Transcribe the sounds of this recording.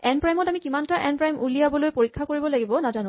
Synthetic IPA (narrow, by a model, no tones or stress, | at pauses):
ɛnpɹajmɔtamikimantaʔɛnpɹajmʔulijabɔlojpoɹikʰːakoɹibɔlaɡibɔnazanʊ̃